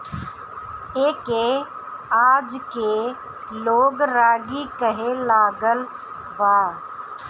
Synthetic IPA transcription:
eːke | aːd͡ʒke | loːɡɾaːɡikəɦelaːɡəl | baː

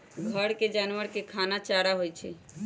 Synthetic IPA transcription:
ɡʱəɽked͡ʒaːnʋəɾkekʰaːnat͡ʃaːɾaɦojt͡ʃʰɛ

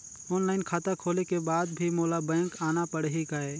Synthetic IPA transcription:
ʊnləɪnkʰaːt̪akʰoːlekebaːd̪bʱimoːlabɛ̃ːŋkaːnapəɽɦikaeː

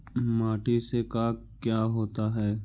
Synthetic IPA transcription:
maːʈisekaːk | kjaːɦoːt̪aɦɛː

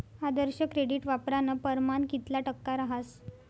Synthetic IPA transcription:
ad̪əɾɕəkɾeɽiʈʋapɾanəpəɾmankit̪laʈəkːaɾaɦas

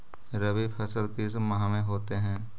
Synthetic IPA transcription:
ɾɐbipʰɐsəlkismɐɦãmẽɦoːt̪eɦɛ̃ː

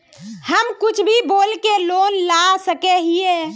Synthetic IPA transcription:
həmkʊt͡ʃʰbʱiboːlkeloːnlasəkeɦie

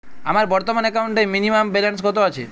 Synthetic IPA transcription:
amaɾbɔɾt̪omanɛkawɳʈeminimambelanskɔt̪oat͡ɕʰe

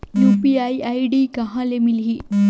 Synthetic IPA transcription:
juːpiajɐjɖiːkɐɦãlemilɦi

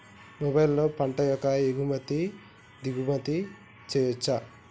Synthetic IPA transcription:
mɔbɐjlloːpɐɳʈɐjɔkːɐeɡumɐt̪i | d̪iɡumɐt̪i | t͡ʃejɐt͡ʃːa

